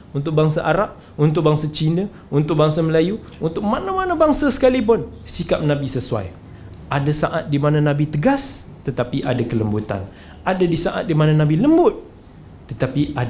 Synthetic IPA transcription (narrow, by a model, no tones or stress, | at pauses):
unt̪ʊk̚baŋs̬aʔaɾap̚ | unt̪ʊk̚baŋsat͡ʃinə | unt̪ʊk̚baŋsaməlaju | unt̪ʊk̚manamanabaŋsasə̥kalip̬ʊnsikap̚nãbisəsua̰j | adasaʔat̪̚dimanãnãbit̪əɡas | t̪ət̪apiʔadakələmbut̪a̰n | adadisaʔa̰t̪̚dimanãnãbiləmbʊt̪̚ː | ət̪apia